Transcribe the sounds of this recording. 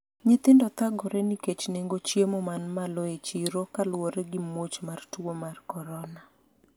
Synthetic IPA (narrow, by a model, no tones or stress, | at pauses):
ɲɪt̪ɪndɔt̪aɡɔɾɛniket͡ʃneŋɡot͡ʃjemɔmanmaloet͡ʃiɾokalwoɾɛɡɪmot͡ʃmartuwomarkɔɾɔna